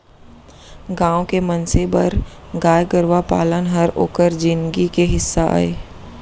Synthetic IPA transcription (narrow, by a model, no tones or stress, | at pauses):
ɡãːõkemənsebɐɾ | ɡaːjɡəɾʋapa̰ːlənɦəɾo̰ːkəɾd͡ʒɪnɡikeɦɪsːaʔa̰ːḛː